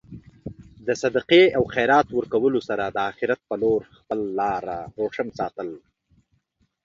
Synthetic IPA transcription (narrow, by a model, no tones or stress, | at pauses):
d̪əsad̪aqeawxajɾɑt̪wəɾkawəlosaɾad̪əɑxɪɾat̪̚pəloɾxpəlːɑɾaɾoʂəmsɑ̰ːt̪əl